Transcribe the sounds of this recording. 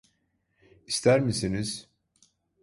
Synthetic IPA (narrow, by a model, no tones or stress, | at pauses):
ist̪ʰæɾmisiniz̥